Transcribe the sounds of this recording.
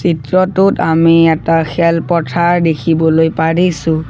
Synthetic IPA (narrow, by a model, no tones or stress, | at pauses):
sitɹɔtʊtamiɛtaxʰɛlpɔtʰaɹdekʰibɔlojpaɹisʊ̃